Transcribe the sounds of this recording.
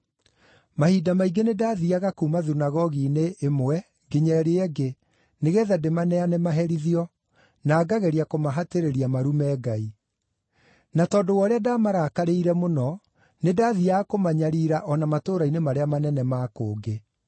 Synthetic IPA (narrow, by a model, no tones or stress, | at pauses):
mahidamaiɡenedaːðiaɣakuːmaðunaɣɔɣineʔemowɛ | ɡeɲɛɾeɛɡe | neɣɛːðademanɛanemaɦɛɾiðiɔ | naːɡaɣɛɾiakomaɦateɾeɾiamaɾumɛːɡai | natɔːdowɔɾeadaːmaɾakaɾeiɾɛmonɔ | nedaːðiakomaɲaɾiːɾaʔɔnamatoːɾainemaɾeamanɛnɛmaːkoːɡe